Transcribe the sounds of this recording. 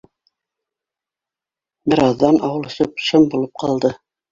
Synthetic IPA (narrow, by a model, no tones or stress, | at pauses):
bɘ̆ɾɑðːɑnɑwɤ̆lˠɵ̆sɤp̚ʃɤmbulˠɤp̚qɑlˠd̪ɤ